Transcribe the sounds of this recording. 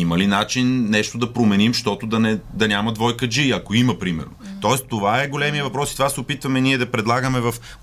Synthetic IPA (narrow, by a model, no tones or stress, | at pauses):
imɐlinat͡ʃinːɛʃt̪od̪ɐpɾomɛnimʃt̪ɔt̪od̪ɐnɛd̪ɐnʲamɐd̪vɔjkəd͡ʒiɐkoimɐpɾimɛ̰ɾnot̪ɔɛst̪ovaɛɡolɛmiɐvɐpɾɔsit̪ovasɛopit̪vɐmɛniɛd̪ɐpɾɛd̪lˠaɡəmɛvɐf